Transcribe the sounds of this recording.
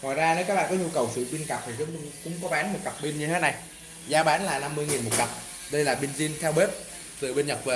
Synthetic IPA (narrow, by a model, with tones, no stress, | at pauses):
ŋɔ̰˨jzaː˧ne˨˦wkaː˦˥k̚ɓ̰aː˧˨kɔ˨˦ɲu˧kə˨˩wsɨ̰˧˨ɓi˧nka˨˩p̚t̪ʰi˨˩zə̰˧˥ŋ͡mŋkʊ̰˧˥ŋ͡mkɔ˨˦ɓaː˨˦nmo˨˩t̚ka˨˩p̚ɓi˧mɲɨ˧e˦˥na˨˩j | zaː˨˧ɓaː˨˦nlaː˨˩na˧mːɨ˧əjŋi˨˩nmo˨˩t̚ka˨˩p̚ | ɗə˧jlaː˨˩ɓi˧nzi˧ənt̪ʰɛ˧wɓe˦˥p̚ | t̪ɨ̰˨əɓe˧nɲə˨˩p̚ve˨˩